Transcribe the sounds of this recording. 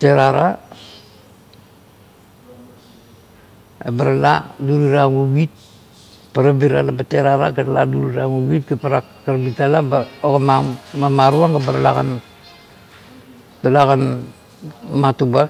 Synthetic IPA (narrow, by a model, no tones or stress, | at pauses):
teɾaɾa | ebaɾaladuɾiɾaŋuwit̚ | paɾabiɾalabateɾaɾaɡaɾaladuɾiɾaŋuwit̚ɡapaɾakkaɾabitalabaokamamamaɾuaŋɡabaɾalaɡa̰n | dalakan | matuba